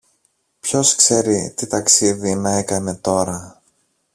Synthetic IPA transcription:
pço̞skse̞ɾit̪it̪ɐksiðinɐe̞kɐne̞t̪o̞ɾɐ

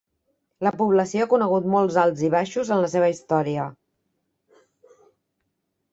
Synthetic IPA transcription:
ləpuβləsioakunəɣ̞ut̪mɔlˠzalˠziβaʃuzənləseβ̞əist̪ɔɾiə

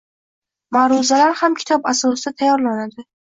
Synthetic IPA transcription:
maɾɒzalaɾhamkʲʰɪ̥t̪ʰɒpasɒsd̪at̪ʰajːɒɾlanad̪ɪ

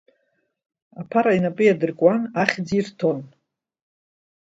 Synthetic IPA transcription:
apʰaɾainapʼɨjadɨrkʷʼwanaχʲd͡zirtʰo̞n

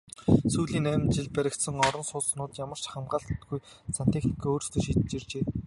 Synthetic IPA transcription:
suːɮiːnæːmɘ̆nt͡ɕɪɮpæɾʲɪ̆kt̪sə̆ŋɔɾɞ̆nsʊːt͡snʊːt̪jamə̆r̥t͡ɕʰχamɢaːɬt̪t̪ɡujsan̥ʲt̪ʰexni̥kʰaːoːɾɪ̥̆st̪ʰɵːʃiːt̪t͡ɕert͡ɕeː

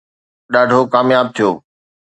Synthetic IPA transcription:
ɗaːɖʱokaːmjaːb̚t̪ʰijoː

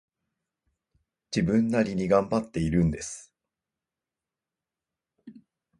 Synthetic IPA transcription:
d͡ʑibɯ̟̃nːaɾʲiɲ̟iɡãmbat̪ːe̞iɾɯ̟̃nd̪e̞sɨ̥

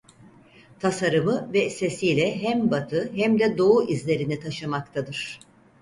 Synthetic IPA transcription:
t̪ʰasaɾɯmɯvɛse̞siːlʲɛɦæmbat̪ʰɯɦæmd̪ɛd̪o̞uʔizlʲe̞ɾinit̪ʰaʃamakt̪ʰad̪ɯɾ̥

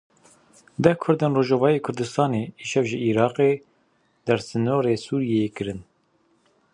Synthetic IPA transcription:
d̪ɛhkʰʊɾd̪eːnroːʒɑvɑːjeːkʰʊɾd̪ɨst̪ɑːneːiʃɛvʒɪʔiːɾɑːqeː | d̪ɛɾsɨnoːɾeːsuːɾijeekɨɾɨn

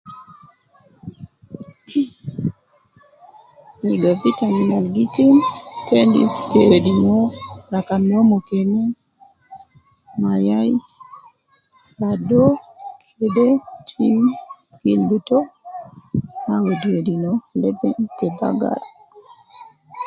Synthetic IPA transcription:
niɡafitaninalɡitimtendḭstewedinoɾakamomokeme | maɾjaj | ladokʰedetʰim | ɡilbuto | maɡodiwedinolɛbɛntɛba̰ɡa̰l

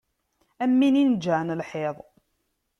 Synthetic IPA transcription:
æmːinind͡ʒanlħeðˤ

